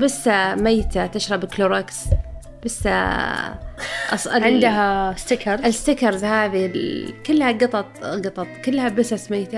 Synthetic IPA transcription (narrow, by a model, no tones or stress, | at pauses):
bɪsːamajt̪at̪ɪʃɾˤɑbkloɾˤɑks | b̥ɪsːa̰ | ʔɑ̰sɪʕɪnd̪ɦast̪ɪkɑɾˤzɪɪst̪ɪkɑɾˤzhaːðilkɪlːhaɡɑt̪ˤɑt̪ˤɡɑt̪ˤɑt̪ˤkɪlːhabɪsasmajːt̪a